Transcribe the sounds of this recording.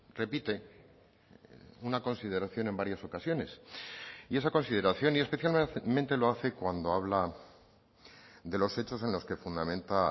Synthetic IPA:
re̞pit̪e̞ | unako̞nsið̞e̞ɾaθjo̞ne̞mbaɾjaso̞kasjo̞ne̞s | ie̞sako̞nsið̞e̞ɾaθjo̞nie̞spe̞θjalmẽnt̪e̞lo̞aθe̞kwand̪o̞aβla | ðe̞lo̞se̞t͡ʃo̞se̞nlo̞ske̞fund̪amẽ̞nt̪a

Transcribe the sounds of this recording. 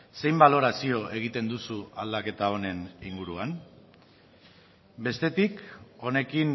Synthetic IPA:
se̞jmbalo̞ɾasio̞ʔe̞ɣ̞it̪e̞nd̪usua̰ld̪ake̞t̪ao̞ne̞niŋɡuɾuan | be̞st̪e̞t̪iko̞ne̞kin

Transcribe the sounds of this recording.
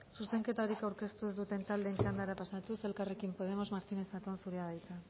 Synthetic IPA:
suse̞ŋke̞t̪aɾikawɾke̞st̪uezd̪ut̪e̞nt̪ald̪e̞nt͡ʃand̪aɾapasat̪use̞lkare̞kimpo̞ð̞e̞mo̞zmaɾt̪ine̞sat̪oansuɾeaðajt͡sa

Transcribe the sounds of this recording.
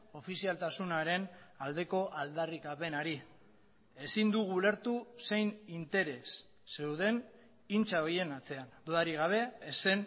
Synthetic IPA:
o̞fisialt̪asunaɾe̞nald̪e̞ko̞ʔald̪arikape̞naɾi | e̞sind̪uɣule̞ɾt̪use̞jnint̪e̞ɾe̞sː | e̞wðe̞n | int͡saoje̞nat͡se̞and̪uðaɾiɣ̞aβ̞e̞ːse̞n

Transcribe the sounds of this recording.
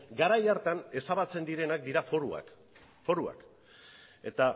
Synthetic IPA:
ɡaɾajaɾt̪ane̞saβat͡se̞nd̪iɾe̞nak̚d̪iɾafoɾua̰k | fo̞ɾua̰k | e̞t̪a

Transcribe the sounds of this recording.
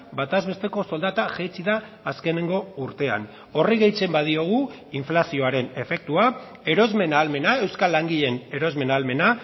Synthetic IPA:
bat̪azβe̞st̪e̞ko̞so̞ld̪at̪aʝejt͡siðaː | ske̞ne̞ŋɡo̞uɾt̪e̞a̰n | o̞riɣe̞jt͡se̞mbaðio̞ɣ̞u | iɱflasio̞aɾe̞ne̞fe̞k̚t̪ua | e̞ɾo̞zme̞naːlme̞nae̞wskalːaŋɡiʎe̞ne̞ɾo̞zme̞naːlme̞na

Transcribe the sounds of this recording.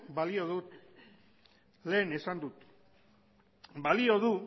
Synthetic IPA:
balio̞ð̞ut̪ | le̞ːne̞sand̪ut̪ | balio̞ðu

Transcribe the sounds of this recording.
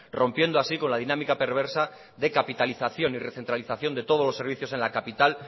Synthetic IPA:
ro̞mpje̞nd̪oasiko̞nlaðinãmikape̞ɾβ̞e̞ɾsa | ðe̞kapit̪aliθaθjo̞nire̞θent̪ɾaliθaθjo̞nd̪e̞t̪o̞ð̞o̞lose̞ɾβiθjo̞se̞nlakapit̪al

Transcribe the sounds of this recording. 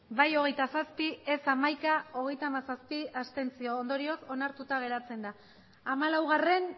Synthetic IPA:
bajo̞ɣ̞e̞jt̪asaspie̞samajkao̞ɣ̞e̞jt̪aːmasaspiast̪e̞nt͡sio̞ːnd̪o̞ɾio̞so̞naɾt̪ut̪aɣ̞e̞ɾat͡se̞nd̪aː | malawɣ̞are̞n

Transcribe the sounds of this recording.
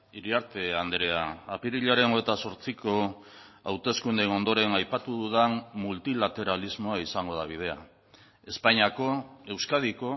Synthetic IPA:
iɾiaɾt̪e̞and̪ɾe̞aːpiɾiʎaɾe̞noet̪aso̞ɾt͡siko̞ | awt̪e̞skund̪eno̞nd̪o̞ɾe̞najpat̪uðuðammult̪ilat̪e̞ɾalizmo̞aisaŋɡo̞ð̞aβ̞ið̞e̞a | e̞spaɲiako̞e̞wskað̞iko̞

